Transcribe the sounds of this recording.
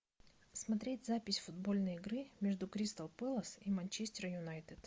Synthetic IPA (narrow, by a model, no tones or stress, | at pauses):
smɐt̪ɾʲetʲzapʲɪsʲfʊd̪bo̞lʲnəjɪɡɾɨmʲeʐd̪ʊkɾʲist̪əlˠpɛlˠəsimɐnʲt͡ɕesʲtʲɪɾəjʊnajt̪ɨt̪